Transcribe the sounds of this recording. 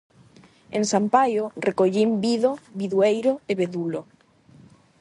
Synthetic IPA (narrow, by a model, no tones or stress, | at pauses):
ḛŋsampajorekoʎimbiðoβiðuejɾoeβeðulo